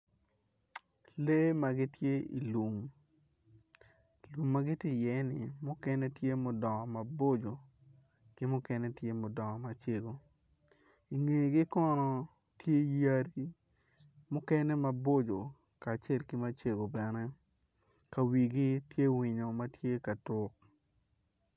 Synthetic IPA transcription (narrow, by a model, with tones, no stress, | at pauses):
le˦ma˨ɡɪ˦tje˦ḭ˨lu˨m | lu˨mːa˦ɡɪ˦ti˦jɛ˨˦nɪ˨mʊ˦kɛ˦nɛ˦tje˦mʊ˨dɔ˨ŋɔ˨ma˨bo˦d͡ʒo˨ | kɪ˦mʊ˦kɛ˦nɛ˦tje˦mʊ˨dɔ˨ŋɔ˨ma˨t͡ʃe˦ɡo˨ | i˨ŋe˨ɡɪ˦kɔ˦nɔ˦ | tje˦ja˦ɾi˦ | mʊ˦kɛ˦nɛ˦ma˨bo˦d͡ʒo˨ | kaː˨t͡ʃɛ˦˨lki˦ma˦t͡ʃe˨ɡo˨bɛ˨nɛ˦ | ka˨wi˨ɡi˦tje˦wi˨ɲo˨ma˦tje˦ka˨tʊ˦k̚